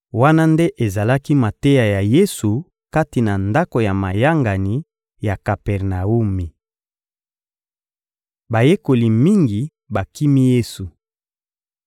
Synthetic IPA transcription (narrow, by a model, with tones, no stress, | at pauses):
wa˦na˦nde˦ʔe˨za˨la˦ki˦ma˨te˦ja˨ja˨je˦su˨ | ka˦ti˨na˨nda˦ko˨ja˨ma˨ja˦ŋɡa˨ni˨ | ja˨ka˨pɛ˨ʁna˨u˦mi˨ | ba˨je˦ko˨li˨mi˦ŋɡi˨ | ba˨ki˦mi˦je˦su˨